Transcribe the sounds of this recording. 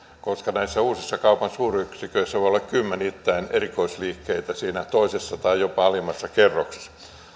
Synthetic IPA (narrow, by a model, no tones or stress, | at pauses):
koskɑnæisːæuːsisːɑkɑupɑnsuːryksikøisːæʋoijolːɑkkymːenit̪ːæinerikoisliːkːeit̪æsiːnæt̪oisesːɑt̪ɑijopɑɑlimːɑsːɑkerːoks